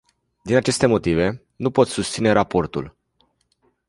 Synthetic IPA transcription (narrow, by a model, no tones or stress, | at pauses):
d̪inat͡ʃe̞st̪e̞mo̞t̪ive̞ | nupo̞t̪sust̪sine̞ɾapo̞rt̪ṵl